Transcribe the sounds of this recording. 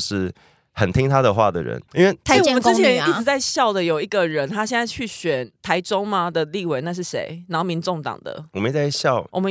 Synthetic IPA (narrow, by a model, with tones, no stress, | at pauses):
ʂɻ̩˥˩ | hə˨nt̪ʰi˦˥ŋt̪ʰa˦d̪ə˨xwa̰˥˨d̪ə̰˩ɻə̰˦ni˥nwe˥˩˥wmə̃˦n̩˥t͡ɕʰjɛ˨˦ni˥˩t͡s̩˨˩t͡sa˥˧ɪɕjɑ˥˨˩ʊd̪ə˨jo˨˩ʊi˧˥ɡə˨ɻə˨˦nt̪ʰa˦ɕ̬jɛ˥˧nt͡sa˥˧ɪt͡ɕʰy˥˩ɕɥɛ˨˩nt̪ʰa˧˥ɪʈ͡ʂo˥ŋma˨d̪ə˨li˥˨we˨˩ɪna˥˧ʂ̬ɻ̩˥˩ʂḛ˧˥ɪna˨˦˥ho˥˩mi˧˦nʈ͡ʂo˥˨˩ŋt̪ɑ̰˨˩ŋd̪ə̰˩ɔ˨˩mə˦i˥˩t͡sa˥˩ɪɕjɑ˥˨ʊwʔɔ˨mə˦